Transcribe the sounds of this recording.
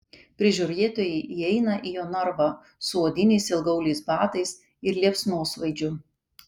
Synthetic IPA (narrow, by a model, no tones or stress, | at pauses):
pʲɾʲɪʒʲɔɾʲeːt̪oːjɛɪʔiɛɪnɐʔijoːnɐɾʋɐ | sʊoːd̪ʲɪnʲɛɪsɪlˠɡɐʊlʲɛɪsbɑːt̪ɐɪs | ɪɾlʲiɛpsnoːsʋɐɪd͡ʒʲʊ